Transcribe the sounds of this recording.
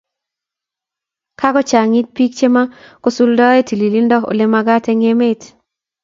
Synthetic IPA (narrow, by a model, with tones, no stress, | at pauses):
kʰa˦kɔ˦t͡ʃa˨ŋi˦t̚pi˦k̚t͡ʃe˦ma˦ko˦su˦ldɔ˦e˦ti˨li˨li˦ndɔ˦o̰˨le˦ma˧ɡa˦tɛ˦ŋe˦me˦t